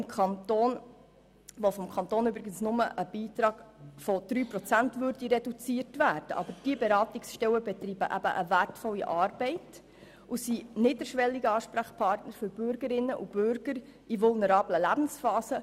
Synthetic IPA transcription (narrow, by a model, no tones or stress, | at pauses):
mkʰɑnt̪oːn | ʋɔfɔmkʰɑnt̪oːnʏbɾɪɡənsnʊməʔəb̥iːtɾɑːɡ̥fɔd̥ɾyːprɔt͡sæntʋøɾdiɾɛdut͡siːəɾtvæːɾd̥əʔɑ̰bəɾd̥iəbɛɾɑːtiksʃtɛwəbɛt̪ɾiːbəʔæb̥ə̰ʔəvætfɔlːiʔɑːrbɛɪt | usinɪːdəɾʃʋɛlːiɡəɑːʃpɾaχpʰɑːrtnəɾfɵɾb̥ʏɾɡ̥əɾɪnːəʔub̥ʏɾɡ̥əɾ | iʋʊlnəɾɑːbləlæb̥n̩sfɑːsə